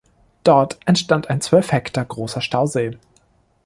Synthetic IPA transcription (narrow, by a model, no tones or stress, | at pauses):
d̥ɔɐtʔɛntʃtantaɪnt͡sv̥œlfhɛktɐɡʁoːsɐʃtaʊzeː